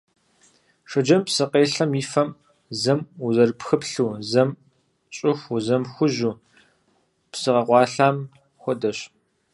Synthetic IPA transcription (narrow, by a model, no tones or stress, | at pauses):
ʂɐd͡ʒɐmpsɨqʼeːɬɐmiːfɐm | zɐmuzɐrpxɨpɬuːzɐm | t͡ʃʼɪxʷuzɐmxʷʊʑuː | psɨʁɐqʷɑːɬaːm | xʷɔdɐɕ